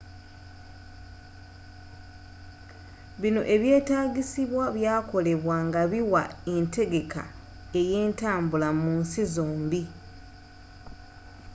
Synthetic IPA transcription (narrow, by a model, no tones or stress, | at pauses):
βino̞̰ʔe̞βje̞ːtaːɡisiβwaβjaːko̞le̞βwaŋɡaβiwa̰e̞ntʰe̞ɡe̞ka̰ | eje̞ːntaːmbulamunsizoːmbi